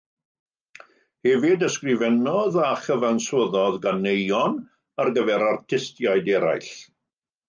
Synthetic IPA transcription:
hɛvɪdəskrɪvɛnɔðaχəvanswəðɔðɡanejɔn | arɡəvɛɾartʰɪstjajdɛɾa̰jɬ

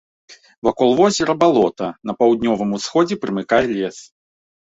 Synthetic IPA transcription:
vakɔlˠvɔzʲɛɾɐbalˠɔt̪ɐnɐpɐwd̪̚ʲnʲɔvɨmusxɔd͡zʲɛpɾɨmɨkajɛlʲɛs

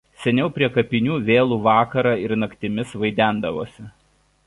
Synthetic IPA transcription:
sʲɛnʲɛʊpʲɾʲiɛkɐpʲɪnʲuːʋʲeːlˠuːʋɑːkɐɾɑːɪɾnɐkʲt̪ʲɪmʲɪsʋɐɪd̪ʲæˑnd̪ɐʋoːsʲɪ

